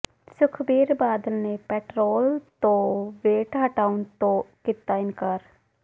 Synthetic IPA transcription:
sʊkʰbiːɾbaːd̪əlnepɛːʈɾoːlt̪õʋeːʈɦəʈaːʊnt̪õkɪt̪ːaɪnkaːɾ

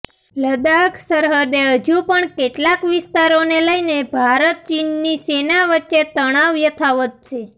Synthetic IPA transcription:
ləd̪aksəɾɦəd̪eɦəd͡ʒũpəɳkeʈlakʋɪst̪aɾoneləinebʱaɾət̪̚t͡ʃinːisenaʋətːʃet̪əɽ̃aʋjət̪ʰaʋət̪̚t͡ʃʰe

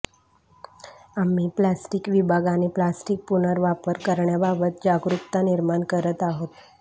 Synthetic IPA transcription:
amiplasʈikʋibʱaɡaniplasʈik̚punəɾʋapəɾkəɾɳjababət̪̚d͡ʒaɡɾukt̪aniɾmankəɾət̪aɦot̪

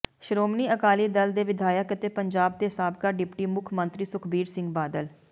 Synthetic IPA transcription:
ʃɾoːmniːəkaːliːd̪əld̪eːʋɪd̪ʱaːjəkət̪eːpəɲd͡ʒaːb̚d̪eːsaːb̚kaːɖɪpʈiːmʊkʰmənt̪ɾiːsʊkʰbiːɾsɪ̃ŋɡbaːd̪əl

